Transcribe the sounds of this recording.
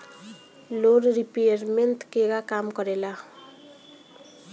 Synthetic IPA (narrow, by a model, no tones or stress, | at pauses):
loɾɾipejəɾmenʈkeɡakamkɔɾela